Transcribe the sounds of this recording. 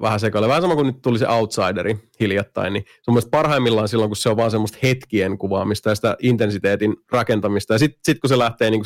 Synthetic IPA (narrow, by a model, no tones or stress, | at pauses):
ʋæhæsekɑlːʋæhæsɑmɑkunnyt̪t̪ulisḛʔɑwt̪sɑideɾihiljɑt̪ːɑ̰innisemːost̪̚pɑrhɑimːilːɑnsilːoŋkusseoʋʋɑːnsemːost̪het̪kieŋkuʋɑːmist̪ɑjɑsi̥t̪æ̰ʔint̪ensit̪eːt̪inrɑkent̪ɑmist̪ɑjɑsit̪sit̪kuselæht̪eːniːŋku